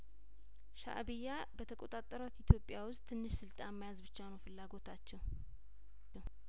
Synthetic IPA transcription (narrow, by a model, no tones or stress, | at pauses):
ʃa̰ʔbɨjːa | bət̪ʰəkʼo̞t̪ʼat̪ʼːəɾat̪it̪ʰjo̞pʼːɪjawʊst̪ʰːɨnːɨʃsɨlt̪ʼamːajazbɨt͡ʃːanowfɨlːaɡo̞t̪ʰat͡ʃːɛw